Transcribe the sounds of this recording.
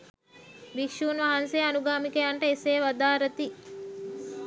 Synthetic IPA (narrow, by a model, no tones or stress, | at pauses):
bikʃuːnʋaɦɐnseanuɡaːmikejaɳʈəeseːʋad̪aːɾɐt̪i